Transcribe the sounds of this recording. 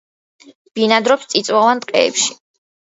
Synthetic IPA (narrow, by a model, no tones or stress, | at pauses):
b̥inad̪ɾɔpst̪sʼit̪sʼwavant̪ʼqʼɛ̰ːpʃi̥